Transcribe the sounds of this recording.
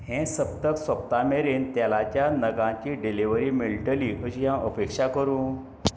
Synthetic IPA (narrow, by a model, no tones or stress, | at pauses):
ɦẽsəp̚t̪əksəp̚t̪ameɾent̪jalat͡ɕjanəɡãt͡ɕiːɖeliʋəɾiːmiɭlʈəliːɦəɕijãʔəpekʂakəɾũː